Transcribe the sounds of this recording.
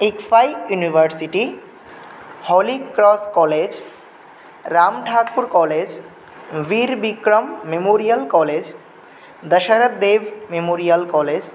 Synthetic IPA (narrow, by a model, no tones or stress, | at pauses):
ikfajjuniʋəɾsiʈi | hɔlikɾɔskɔled͡ʑ | ɾamʈʰakpuɾkɔled͡ʑ | ʋiɾbikɾəmːemoɾijəlkɔled͡ʑ | d̪əʃəɾət̪̚d̪eʋmemoɾijəlkɔled͡ʑ